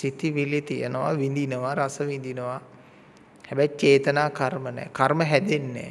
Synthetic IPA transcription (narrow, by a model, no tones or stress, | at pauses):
sit̪iʋilit̪ijə̰nəʋaʋind̪inəʋaɾasəʋind̪inəʋa | hɛbɛjt͡ʃeːt̪ənaːkarmənɛ̰kaɾməɦæd̪enːḛ